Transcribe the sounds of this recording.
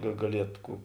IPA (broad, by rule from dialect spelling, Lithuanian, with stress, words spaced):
ɡɐ ɡɐˈlʲiɛt ˈkuː